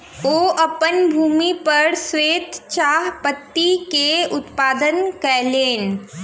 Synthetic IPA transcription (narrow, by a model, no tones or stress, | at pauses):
oːʔɐpənbʱuːmipɐɾsweːt̪t͡ʃaːɦpət̪ːikeʊt̪paːd̪ənkɛleːn